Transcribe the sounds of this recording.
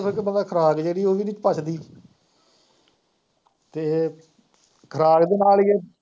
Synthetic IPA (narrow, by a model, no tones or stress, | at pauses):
pʰɪɾkbəlɛːkʰɾaːɡd͡ʒeːɽiːoːʋiːnɪ̃t͡ʃpət͡ʃʰd̪iː | t̪eː | kʰəɾaːɾd̪eːnaːlɪjeː